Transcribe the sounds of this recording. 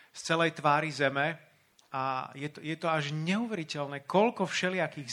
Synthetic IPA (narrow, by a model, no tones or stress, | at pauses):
st͡sɛlɛjt̪ʋaːɾizɛmɛ | ajɛt̪ɔjɛt̪ɔaʒɲɛuʋɛɾicɛlnɛːkɔlkɔfʃɛlɪakiːɣz